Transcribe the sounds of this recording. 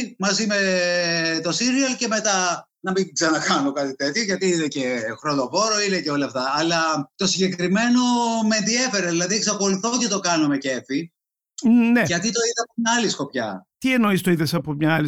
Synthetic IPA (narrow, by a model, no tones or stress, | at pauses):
mɐzime̞ | t̪o̞siɾiɐlce̞me̞t̪ɐ | nɐmiɡzenɐkɐno̞kɐt̪it̪e̞t̪çoʝɐt̪iinece̞xɾo̞ðo̞vo̞ɾoineceo̞lɐːft̪ɐːlɐt̪o̞siɟe̞kɾime̞no̞meenðie̞fe̞ɾeðilɐðieksɐxo̞luθo̞c̪et̪o̞kɐnome̞ce̞fi | neɐt̪it̪o̞iðeɐpo̞mɲɐɐlisko̞pçɐ̰t̪ieno̞ist̪oiðesɐpomɲɐɐli